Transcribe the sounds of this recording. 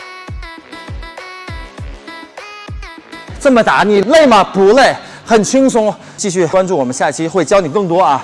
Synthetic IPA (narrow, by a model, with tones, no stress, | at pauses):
ʈ͡ʂɤ˥˩mə˨˩t̪a̰˧˥ni˨˩le˥˩ɪmɐ˨pu˧˥le˥˩ɪ | xə˨˩nt͡ɕʰi˥ŋsʊ˥ŋ | t͡ɕi˥˧ɕy˥˩wa˥nʈ͡ʂu˥˩wɔ˨˩mə˦nɕja˥˧t͡ɕʰi˥xwe˥˩ɪt͡ɕjɑ˥ʊni˨˩kɤ˥˩ŋt̪wɔ˥ɐ˨˩